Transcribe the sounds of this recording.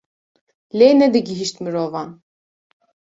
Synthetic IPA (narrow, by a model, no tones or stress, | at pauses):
lɛnɛd̪iɡiɦiʃt̪mɾɔvan